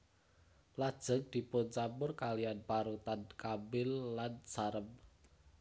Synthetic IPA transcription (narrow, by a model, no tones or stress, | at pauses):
lad̥ʒ̥ə̤ŋ̚d̪̥i̤pʊnt͡ʃamʊrkalijanpaɾut̪ankambɪlːansaɾəm